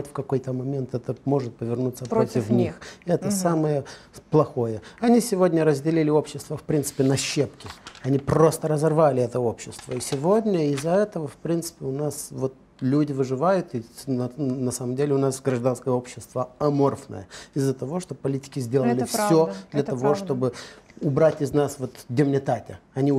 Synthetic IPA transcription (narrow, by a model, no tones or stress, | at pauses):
tʲfkɐko̞jt̪əmɐmʲe̞nt̪ɛt̪əmo̞ʐɨt̪̚pəvʲɪrnut̪səpɾot̪ʲɪfnʲixɛt̪əsaməjəplˠɐxo̞jəɐnʲisʲɪvo̞dʲnʲəɾəzʲdʲɪlʲilʲɪo̞pɕːɪst̪vəfpɾʲint̪ɨ̥pʲɪnɐɕːe̞pkʲɪɐnʲipɾo̞st̪əɾəzɐrvalʲɪɛt̪əo̞pɕːɪst̪vəisʲɪvodʲnʲəɪzːɐɛt̪əvəfpɾʲint̪sɨ̥pʲɪʊnasvot̪̚ | lʲudʲɪvɨʐɨvajʊt̪ɪ | nɐsaməmdʲelʲɪʊnasɡɾɐʐd̪anskəjəo̞pɕːɪst̪vəɐmo̞rfnə̰jəɪzːət̪ɐvo̞ʂt̪opɐlʲitʲɪ̥kʲɪzʲdʲeləəlʲɪfsʲod̪lʲɐt̪ɐvo̞ʂt̪o̞bɨʊbɾatʲɪznasvo̞t̪dʲɪmnʲɪt̪atʲɪ̰ɐnʲi